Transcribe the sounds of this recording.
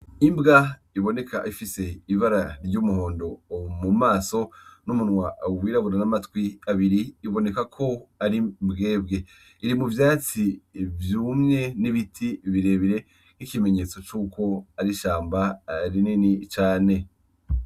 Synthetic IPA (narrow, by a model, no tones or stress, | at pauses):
imbɡaiβo̞ne̞ka̰ʔifise̞iβaɾaɾɟuːmuho̞ːndo̞mumaːso̞numunwaʔwiːɾaβuɾanamatwiaβiɾiːβo̞ne̞kakʰo̞aɾimbɡe̞ːb̚ɡe̞ | iɾimuvjaːt͡sivjuːmŋe̞niβitʰiβiɾe̞ːβiɾe̞ | kikime̞ɲe̞t͡so̞t͡ʃuːkʰo̞aɾiʃaːmbaɾininit͡ʃaːne̞